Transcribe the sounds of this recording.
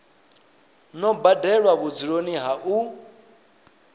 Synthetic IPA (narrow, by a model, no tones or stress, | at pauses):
nɔbadɛɺwaβud͡ziɺoniɦaʔu